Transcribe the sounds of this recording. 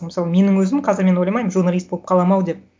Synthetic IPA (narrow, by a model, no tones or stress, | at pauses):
məɪsɑlˠəme̞nɪŋwɵzɪmqʰɑzɪɾme̞no̞jlɑmɑjmʒurnalʲist̪̚bo̞lˠə̥pqʰɑlˠɑmɑwd̪ep̚